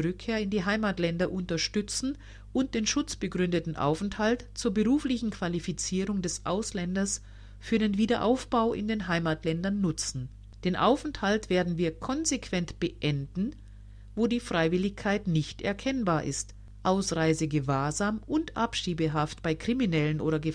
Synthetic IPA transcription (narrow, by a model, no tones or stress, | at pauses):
ʁʏkʰːeːɐɪndiːɦaɪmaːtlɛndɐʔʊntɐʃtʏt͡sn̩ | ʔʊnt̚d̥eːnʃʊt͡sb̥əɡʁʏndətn̩ʔa̰ʊfɛnthaltt͡suːɐbəʁuːflɪçn̩kv̥alifit͡siːʁʊŋdɛsʔa̰ʊslɛndɐs | fyːɐdenviːdɐʔa̰ʊfb̥aʊʔɪ̰ndeːnɦaɪmatlɛndɐnːʊt͡sn̩ | d̥eːnʔaʊfɛnthaltv̥eːɐdn̩viːɐkʰɔnzekʰv̥ɛntb̥əʔɛndn̩ | voːdiːfʁ̥aɪvɪlɪçkʰaɪtnɪçtʔɛ̰ɐkʰɛnbaːɐʔɪ̰st | ʔaʊsʁaɪzəɡəvaːɐzaːmʊntʔa̰pʃiːbəɦaftb̥aɪkʁ̥iminɛlənʔo̰ːɾɐɡə